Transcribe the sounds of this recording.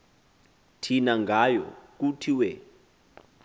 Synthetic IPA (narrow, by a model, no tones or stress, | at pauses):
tʰinaŋɡʱajɔ̰k̬utʰiwɛ